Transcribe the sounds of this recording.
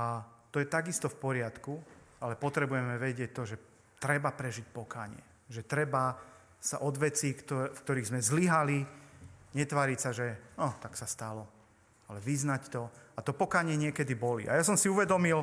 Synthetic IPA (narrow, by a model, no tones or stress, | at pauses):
at̪ɔjɛt̪aɡist̪ɔfpɔɾɪat̪kualɛpɔt̪ɾɛbujɛmɛʋɛɟɪɛc̚t̪ːɔʒɛ | t̪ɾɛbapɾɛʒic̚pɔka̰ːɲɪɛ | ʒɛt̪ɾɛba | sa̰ʔɔd̪ʋɛt͡siːkt̪ɔfkt̪ɔɾiːɣzmɛzliɦali | ɲɛt̪ʋaːɾicsaʒɛnɔt̪aksast̪alɔ | alɛʋiznact̪ɔat̪ɔpɔkaːɲɪɛɲɪɛkɛd̪ibɔlḭʔa̰jasɔmsiuʋɛd̪ɔmil